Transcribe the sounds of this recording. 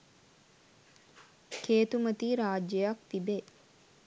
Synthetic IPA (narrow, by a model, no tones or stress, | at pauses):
keːt̪umɐt̪iːɾaːd͡ʒjɐjɐkt̪ibe